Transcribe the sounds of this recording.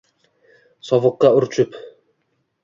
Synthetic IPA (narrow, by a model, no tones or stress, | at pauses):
sɒvɨqːɑʊɾt͡ʃʰʊp